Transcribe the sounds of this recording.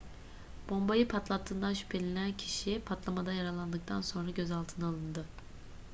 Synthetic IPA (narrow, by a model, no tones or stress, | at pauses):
b̥o̞mbajɯpʰat̪lˠat̪ʰːɯːnd̪anʃy̥pʰe̞lʲenæncʰi̥ʃipʰat̪lˠamad̪ajaɾalˠand̪ɯk̚t̪ʰanso̞nɾaɟøzalˠt̪ʰɯnaːlˠɯnd̪ɯ